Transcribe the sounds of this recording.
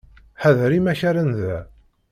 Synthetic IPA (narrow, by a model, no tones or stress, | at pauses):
ħæðɾimæçæɾənðæ